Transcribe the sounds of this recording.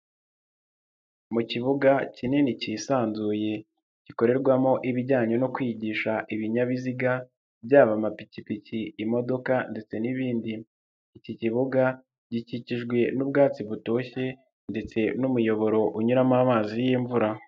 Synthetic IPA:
muciβuɡacinenicisaːnzuːje̞ | ɟ̥iko̞ɾe̞ɾɡwamo̞ʔiβiɟaːɲo̞no̞kwiːɟiːʃaʔiβiɲaβiziɡa | bɟaːβamapicipiciːmo̞do̞kande̞t͡se̞niβiːndiː | ciciβuɡa | ɟiciciʒɡwe̞nub̚ɡaːt͡siβuto̞ːçe̞ | nde̞t͡se̞numujo̞βo̞ɾo̞ʔuɲuɾamaːmaːzijiːɱvuɾa

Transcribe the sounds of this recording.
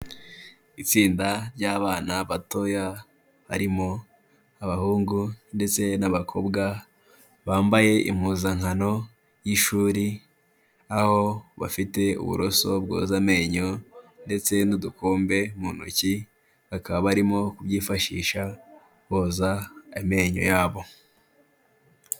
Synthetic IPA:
it͡siːndaɾɟaːβaːnaβato̞ja | βa̰ɾimo̞ | aβahuːŋɡunde̞t͡se̞naβakʰo̞bɡa | βaːmbaje̞ʔḭmhuːzaŋhano̞ | jiʃuːɾi | aho̞βa̰fite̞ṵβṵɾoso̞b̚ɡo̰ːzame̞ːɲo̞nde̞t͡se̞nudukoːmbe̞munṵci | βakaβaβaɾimo̞kubɟiːfaʃḭːʃa | βoːzaeme̞ɲo̞̰jaːβo̞

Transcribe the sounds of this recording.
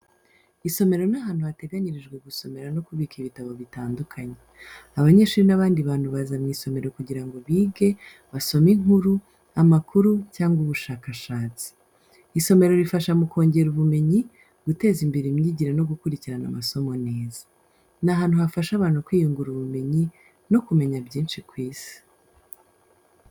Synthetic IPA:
iso̞me̞ɾo̞naɦaːnhuate̞ɡaɲiɾiʒɡwe̞ɡuso̞me̞ɾano̞kuβiːkiβitaβo̞βitaːndukʰaɲe | aβaɲe̞ːʃuːɾinaβaːndiβaːn̥huβazamŋiːso̞me̞ɾo̞kuɟiɾaŋɡo̞βiːɡe̞ | βaso̞miŋuɾu | amakuɾucaːŋɡuβuʃaːkaʃaːt͡si̥ | iso̞me̞ɾo̞ɾifaʃamuko̞ːɲɟe̞ɾuβume̞ɲi | ɡ̥ute̞ːzimbiɾimɲiːɟiɾano̞ɡukuɾiciɾana̰maso̞mo̞neːzḁ | naɦaːn̥huhafaʃaβaːn̥hukwiːjuŋɡuɾuβume̞ɲi | no̞kume̞ɲabɟiːnʃikwiːsi̥

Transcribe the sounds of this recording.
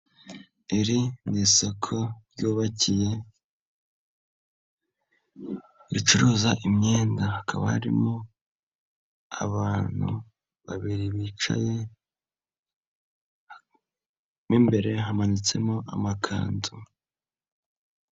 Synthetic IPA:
eɾiniso̞kʰo̞ɾɟuːβacije̞ | ɾit͡ʃuɾuːzaʔimɲe̞ːndahakʰa̰βa̰ha̰ɾḭmo | a̰βaːn̥hṵ | βa̰βiɾiβiːt͡ʃa̰je̞ | nimbe̞ɾe̞ɦamanit͡se̞̰moʔa̰makʰa̰ːnzu

